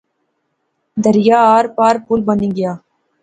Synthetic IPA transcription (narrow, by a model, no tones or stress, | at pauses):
d̪ɐɾɪjaːaːɾpaːɾpulbɐniɡɪjaː